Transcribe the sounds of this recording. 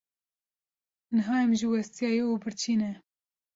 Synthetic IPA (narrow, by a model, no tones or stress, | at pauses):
nɨɦɑːɛmʒɪwɛst̪ijɑːjeubɨɾt͡ʃʰiːnɛ